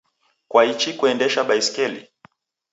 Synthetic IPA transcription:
kwait͡ʃikuɛndɛʃaɓaiskɛlḭ

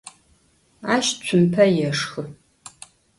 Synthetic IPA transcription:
aːʃt͡ɕʷʰʊmpʰɐjɛʂxɨ

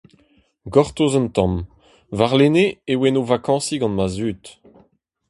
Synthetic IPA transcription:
ɡɔʁt̪ozɔ̃nt̪ɑ̃m | vaʁleneewɛnovakɑ̃ːsiɡɑ̃nmazyːt̪

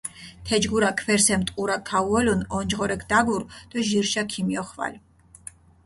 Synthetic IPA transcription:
t̪ʰɛd͡ʒɡuɾakʰvɛɾsɛmt̪ʼqʼuɾakʰːauɔlunɔnd͡ʒʁɔɾɛkʰd̪aɡuɾd̪̥ɔʒiɾʃakʰimiɔχva̰l

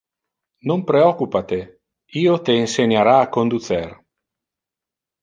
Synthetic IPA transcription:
nompɾeɔkupat̪e | iːot̪eːnseɲaɾaːkond̪ut̪sɛr

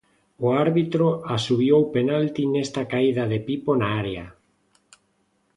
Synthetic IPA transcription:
oaɾβit̪ɾoasuβjowpenalt̪inest̪akaiðaðepiponaaɾea

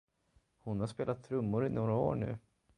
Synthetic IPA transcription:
hʊnhaʂspeːlat̪ʰːɾɵmːʊɾɪnoːɾao̰ːɳʉ̟̰ː

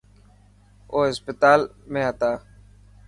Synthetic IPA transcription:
oːɦɪspɪt̪aːlmẽːɦət̪aː

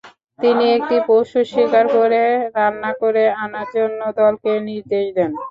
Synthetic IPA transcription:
t̪iniek̚ʈipowʃuʃikaɾkoɾeɾanːakoɾeanaɾd͡ʑonːod̪ɔlkeniɾd̪eʃd̪ɛn

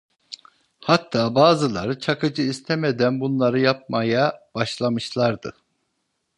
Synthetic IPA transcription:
hat̪ʰːaːbaːzɯlˠaɾɯt͡ʃʰakɯd͡ʒɯist̪ʰemed̪ænbunlˠaɾɯjap̚majab̥aʃlˠamɯʃlˠaɾd̪ɯ

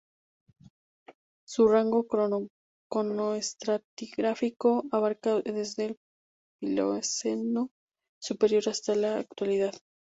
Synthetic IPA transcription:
suraŋɡo̞ko | konoest̪ɾat̪iɣɾafiko̞aβaɾkaðe̞zðe̞l | pilo̰seno | supe̞ɾjo̞ɾast̪alaːkt̪waliðað

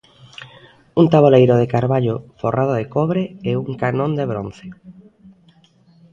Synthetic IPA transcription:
unt̪aβolejɾoðekaɾβaʎoforʔað̞oðekɔβɾeeuŋkanõnd̪eβɾon̟θe̥

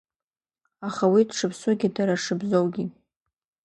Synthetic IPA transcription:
aχawidʂɨpʰsʊɡʲidaɾaʂɨbzowɡʲi

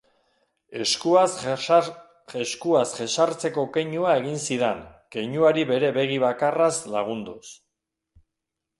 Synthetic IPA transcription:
e̞skuas | eskuasʝe̞ʃaɾt͡se̞ko̞ke̞jɲuae̞ɣ̞insiðeŋke̞jɲuaɾiβe̞ɾe̞βe̞ɣiβ̞akaraslaɣ̞und̪us

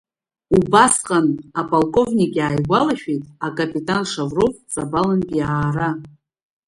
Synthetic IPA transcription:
ubasqʼanapʼalkʼo̞vnʲikʲʼaːjɡʷalaʃᶣejtʼakʼapʼitʼanʂavrot͡sʼabalanpʼiaːra

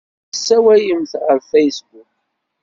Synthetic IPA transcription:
sːæwæjəmθʁəɾfejsbuk

